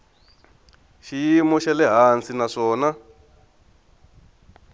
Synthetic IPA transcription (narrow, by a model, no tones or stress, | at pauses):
ʃijimɔʃɛlɛɦant͡sinaʂɔːna